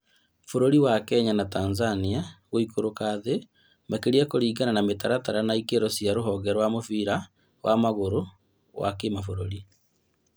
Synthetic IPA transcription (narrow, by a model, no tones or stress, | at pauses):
foɾoɾiwakɛɲanatanzaniaɣoikoɾokaðe | makeɾiakoɾiːɣananametaɾataɾanaikeɾosiaɾoɦɔɡɛɾwamofiɾa | wamaɣoɾo | ɣwa̰kemafoɾoɾi